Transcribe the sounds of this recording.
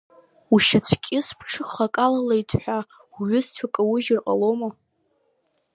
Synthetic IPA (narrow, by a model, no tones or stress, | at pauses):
uʃat͡ɕʷʰkʲʼɪspʰʈ͡ʂʰɨχakʼalalaitʰħʷᶣa | ɥʊst͡ɕʷʰakʼawʊʒɪrqʼa̰loma